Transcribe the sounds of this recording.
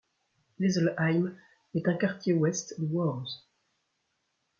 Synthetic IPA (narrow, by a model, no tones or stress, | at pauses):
lezəlajm | ɛt̪ɛ̃kaʁt̪jewɛst̪dəwɔʁz